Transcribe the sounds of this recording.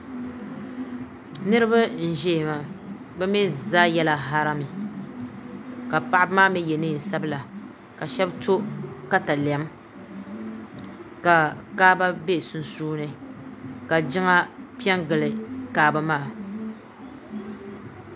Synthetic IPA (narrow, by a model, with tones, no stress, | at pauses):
nɨ˦ɾɨ˦ba˦n̩˨ʒɛ˦˨ma˨ | bɛ˦mɛ˦zaː˦jɛ˦la˦ɦa˦ɾa˦mɨ˨ | ka˨pa˦ʔɪ˦bmaː˦mɛ˦jɛ˨nɨ˦˨n̩˨sa˦bɨ˦la˨ | ka˨ʃɛ˦bto˦ka˦ta˨li˨a˨˦m | ka˨kaː˦ba˦be˦˨sʊ˦nsuː˦nɨ˨ | ka˨d͡ʒɪ˦ŋa˦pi˦ɛ˦ŋɡɨ˨lɨ˨kaː˨˦ba˦maː˦˨